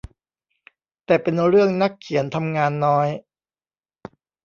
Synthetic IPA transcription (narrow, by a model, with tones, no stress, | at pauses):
t̪ɛː˨˩pe˧nɾɯ˥˩əŋna˦˥kʰːi˨˩˦ənt̪ʰa˧mŋaː˧nːɔː˦˥j